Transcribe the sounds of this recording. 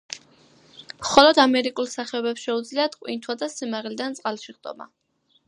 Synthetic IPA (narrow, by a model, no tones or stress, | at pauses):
mχɔlɔd̪amɛɾikʼulˠsaχɛɔbɛpsʃɛud̪zliat̪ʰqʼwḭnt̪ʰwad̪asimaʁlid̪ant̪sʼqʼalˠʃiʁd̪ʼɔ̰ma̰